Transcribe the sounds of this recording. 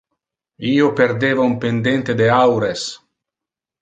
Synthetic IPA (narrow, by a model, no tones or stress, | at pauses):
iːoperd̪eːvaumpend̪ent̪ed̪eawɾes